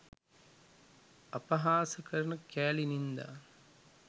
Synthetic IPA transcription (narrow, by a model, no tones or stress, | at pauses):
ɐpɐɦaːsɐkɐɾɐnɐkːaːlinind̪ɐ̰